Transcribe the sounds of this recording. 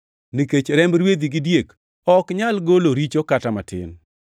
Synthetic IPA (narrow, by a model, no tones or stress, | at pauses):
niket͡ʃɾɛmɾwed̪iɡɪdjek | ɔkɲalɡoloɾit͡ʃokatamatɪ̰n